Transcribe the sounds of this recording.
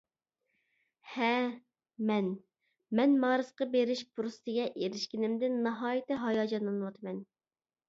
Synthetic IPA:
hɛ | mɛn | mɛnmɑːɾɨsqɑbeɾɪʃpʰuɾust̪ʰɨɡʲɛʔeɾɪʃkʲinɪmd̪ɪnːɑɦɑːjit̪ɪɦɑjɑːd͡ʒɑnɨnɨwɑt̪ʰɨmɛn

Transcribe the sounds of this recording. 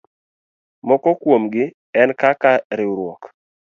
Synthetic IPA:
mɔkɔkwomɡɪ | ɛnkakaɾɪɾwɔk

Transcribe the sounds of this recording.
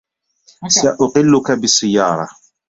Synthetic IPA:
saʔʊqɪlːʊkabɪsˤːɪjːɑːɾˤɑ

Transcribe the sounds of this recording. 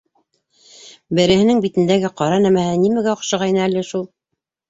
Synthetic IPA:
bɘ̆ɾɘ̆hɘ̆nɘŋbit̪ɘ̆nd̪æɡɘqɑɾɑnæmæhɘnimæɡæŏqʃɤ̆ʁɑjnɑælɘʃulˠ

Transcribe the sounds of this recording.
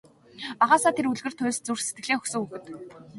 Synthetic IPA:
aʁaːsaːt̪ʰeɾuɮɣɘ̆r̥t̪ʰːʊ̟ːst͡sur̥set̪̚ɡɘ̆ɮeːxɵxsɵ̆ŋuxɘ̆t̪

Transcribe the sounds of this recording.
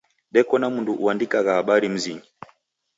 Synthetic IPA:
ɗɛkɔnamunduʔuandikaɣahaɓaɾim̩ziŋɡi

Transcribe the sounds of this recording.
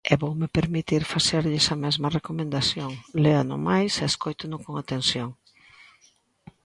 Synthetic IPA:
ɛβowmepeɾmit̪iɾfaseɾʎɪsɐmɛzmɐrekomẽnd̪aθjoŋleanʊ̰majseeskojt̪ʊnʊkoŋat̪ensjoŋ

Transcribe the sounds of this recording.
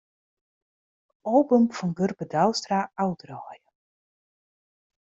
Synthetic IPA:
oːbəmfɔnɡɵrbədawstraawdrɔːjə

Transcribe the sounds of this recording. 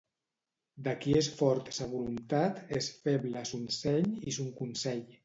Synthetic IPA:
d̪akiesfɔɾt̪saβulunt̪at̪esfeβlasunsɛʎisuŋkunsɛʎ

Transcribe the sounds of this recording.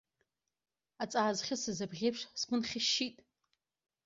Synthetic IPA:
at͡sʼaːzχʲɪsɨzabʁʲejpʂskʷʰʊnχʲɪʃːitʼ

